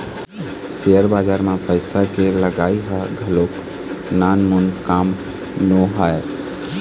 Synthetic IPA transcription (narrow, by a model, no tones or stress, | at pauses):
seəɾbad͡ʒaɾmapəɪsakeləɡaiɦəɡʱəlok | nanmunkam | noɦəe